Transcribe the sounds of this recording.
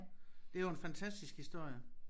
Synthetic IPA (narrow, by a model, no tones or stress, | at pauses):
d̥eæjoenfænt͡sʰæsd̥isɡ̥hisd̥o̝ɐ̰jə